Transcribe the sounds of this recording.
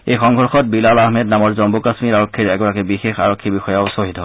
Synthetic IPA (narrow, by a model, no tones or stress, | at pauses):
ejxɔŋʱɔɹxɔt̚bilalahmɛdnamɔɹzɔmbukasmiɹaɹokʰːiɹɛɡɔɹakɛbixexa̰ɹokʰːibixɔjaʊsoɦitɦɔ